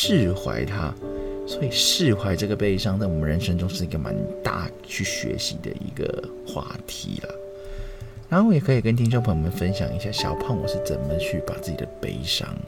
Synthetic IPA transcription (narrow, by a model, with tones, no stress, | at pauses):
ʂɻ̩˥˩xwa̰˧˥ɪt̪ʰa̰˦˥swo˧˥i˨˩ʂɻ̩˥˧xwa˧˥ɪʈ͡ʂɤ˥˩ɡə˩pe˥˩ɪʂɑ˥ŋt͡sa˥˩ɪwɔ˨˩mə˦nɻə˧˥nʂə˥ŋʈ͡ʂʊ˥ŋʂɻ̩˥˩i˧˥ɡə˨ma˧˦nt̪a̰˥˩ | t͡ɕʰy˥˩ɕɥɛ̰˧˥ɕḭ˧˥d̪ə̰˨ʔḭ˧˥ɡə̰˩ | xwa̰˥˩t̪ʰḭ˧˥lə̰˨ | ɻa˧˥nxo˥˩˧jɛ˨˩kʰɤ˧˥i˨˩kə˦nt̪ʰi˥ŋɕo˥ŋpʰə˧˥ŋmə˧˥nfə˦nɕjɑ˨˩ŋi˧˥ɕja˥˩ɕjɑ˨˩ʊpʰɑ˥˩ŋwɔ̰˨˩ʂɻ̩˥˩t͡sə˨˩nmə˨t͡ɕʰy˥˩pa˨˩t͡sɹ̩˥˩t͡ɕi˨˩d̪ə̰˦pḛ˥˧˩ɪʂɑ̰˧˥ŋ